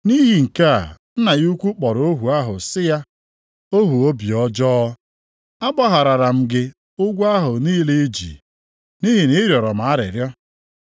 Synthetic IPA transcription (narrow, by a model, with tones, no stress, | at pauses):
ni˦ɦi˨ŋ̩˨ka˦˨n̩˦na˨ɣu˦kʷu˦k͡pɔ˨ɾo˦ɦu˨a˦ɦʊ˨sɪ˦ja˦ | o˦ɦu˨o˦bi˨ɔ˦d͡ʒɔ˦ | a˦bɔ˦ɦa˨ɾa˨ɾa˨m̩˦ɡɪ˦ | ʊ˦ɡʷa˦ɦʊ˨niː˦le˦d͡ʒḭ˨ | ni˦ɦi˨ni˦ɾjɔ˨ɾɔ˨m̩˨a˦ɾɪ̰˨ɾjɔ˦